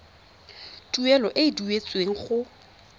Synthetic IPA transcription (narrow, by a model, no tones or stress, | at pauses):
duɛlɔʔɪiduet͡sʼweŋ̩χʊ